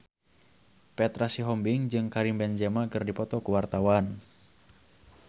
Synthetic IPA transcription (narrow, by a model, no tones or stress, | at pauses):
pɛt̪ɾasiɦɔmbiŋd͡ʒɨŋkaɾimbɛnd͡ʒɛmakɨrdipɔt̪ɔkuwart̪awan